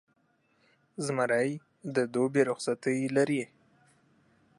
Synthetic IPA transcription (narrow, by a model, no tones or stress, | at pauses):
zmaɾaj | d̪əd̪obeɾʊxsat̪əjlaɾi